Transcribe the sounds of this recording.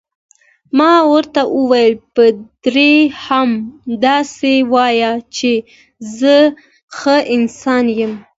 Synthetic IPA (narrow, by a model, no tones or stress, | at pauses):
mɑwəɾt̪aʔəwajəlpəd̪̥ɾehamd̪ɑsewɑjat͡ʃe | zə | xəɪnsɑnjəm